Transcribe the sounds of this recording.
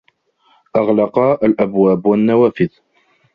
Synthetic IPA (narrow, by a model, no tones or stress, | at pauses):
ʔɑʁlɑqɑəlʔæbwæbwənːæwæfɪð